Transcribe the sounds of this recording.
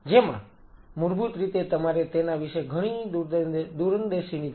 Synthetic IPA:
d͡ʒemã̰ | mʊɾbut̪ɾit̪et̪əmaɾet̪enaʋiʃeɡʱəɽ̃i | d̪uɾənd̪eʃini

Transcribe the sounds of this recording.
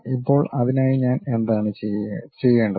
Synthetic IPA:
ipːo̞ːɭɐðinaːjiɲaːne̞nd̪aːɳɨt͡ɕet͡ɕe̞jːeːɳɖɐ

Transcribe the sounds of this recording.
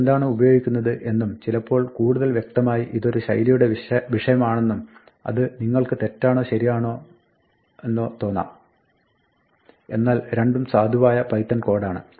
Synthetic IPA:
end̪aːɳɨubɐjo̞ːɡikʲːunːɐðɨʔe̞nːumt͡ɕilɐpːo̞ːɭkuːɽuðɐlʋje̞k̚t̪ɐmaːjiʔiðo̞ɾuɕɐ̰jlijuɽeʋiʂɐjɐmaːɳe̞nːum | ɐ̰ðɨniŋːɐɭkɨt̪e̞tːaːɳo̞ːɕɐɾijaːɳo̞ː | e̞nːo̞ːt̪o̞ːnːa̰ː | e̞̰nːaːlɾe̞ɳɖumsaːd̪ʱuʋaːjɐpɐjt̪ːɐnko̞ːɽaːɳɨ̰

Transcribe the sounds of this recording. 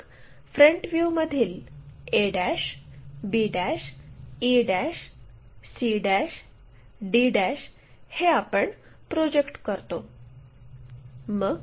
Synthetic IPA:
fɾəɳʈʋjuməd̪ʱiːleɽæɕbiɖæɕiɖæɕ | siɖæɕ | ɖiɖæɕ | heapəɳ | pɾod͡ʑekʈkəɾt̪o | məɡ

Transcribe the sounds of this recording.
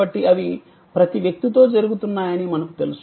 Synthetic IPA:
ɐʈːiʔɐʋi | pɾɐt̪iʋjɐk̚t̪it̪o̞ːd͡ʒɐɾuɡut̪unːaːjɐnimɐnɐku̥t̪e̞lus

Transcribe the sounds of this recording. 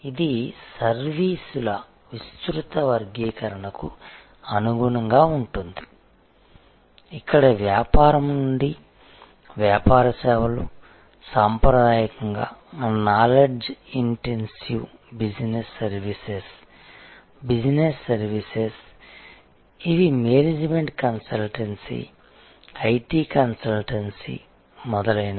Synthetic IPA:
id̪isɐɾʋiːsulɐ | ʋist̪ɾut̪ɐʋɐɾɡiːkɐɾɐɳɐku | ɐnuɡuɳɐŋɡaːuɳʈund̪i | ikːɐɽɐʋjaːpaːɾɐmnuɳɖi | ʋjaːpaːɾɐsɛːʋɐlṵ | saːmpɾɐd̪aːjɐkɐŋɡa̰ːnaːleɖd͡ʒiɳʈensibid͡ʒnesːɐɾʋises | bid͡ʒnesːɐɾʋises | iʋimeːnid͡ʒmeɳʈkɐnsɐlʈensḭ | ɐjʈiːkɐnsɐlʈɐnsḭ | mɔd̪ɐlɐjnɐ

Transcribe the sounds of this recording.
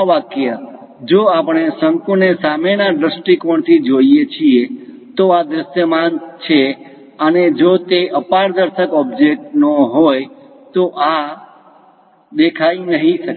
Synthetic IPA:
ʋakjə | d͡ʒoapɽ̃esəŋkunesamenaɖɾəsʈikəɳt̪ʰid͡ʒoijet͡ʃʰie | t̪oad̪ɾəʃjəmant͡ʃʰe | əned͡ʒot̪eʔəpaɽd̪əɾʃəkɔbd͡ʒek̚ʈnoɦoj | t̪oʔa | d̪ekʰajnəɦĩʃək

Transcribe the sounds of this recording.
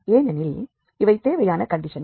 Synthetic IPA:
eːnɐnɪl | ɪʋɐɪt̪eːʋɐjaːnɐkɐɳɖɪʂɐn

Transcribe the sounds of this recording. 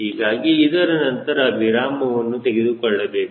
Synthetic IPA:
ɦiːɡaːɡiːd̪ɐɾɐnɐnt̪ɐɾɐːbʱiɾaːmɐʋɐnːut̪eɡed̪ukɔɭːɐbe̞ːku

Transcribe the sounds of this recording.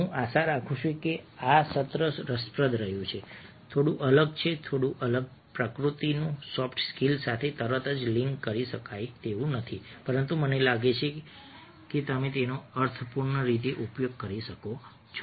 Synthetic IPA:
ɦũʔaʃaɾakʰũʃuekeasət̪ɾəɾəspɾəd̪ʱɾəɦjũt͡ʃʰe | t̪ʰoɽũʔələɡt͡ʃʰet̪ʰoɽũʔələɡ̚ | pɾəkɾut̪inũsɔfʈskilsat̪ʰet̪əɾət̪əd͡ʒliŋkːəɾiʃəkajt̪eʋũnət̪ʰipəɾənt̪umənelaɡet͡ʃʰe | ket̪əmẽt̪enoəɾt̪ʰəpuɾɳəɾit̪̬eʔupjoɡ̚kəɾiʃəko | t͡ʃʰ

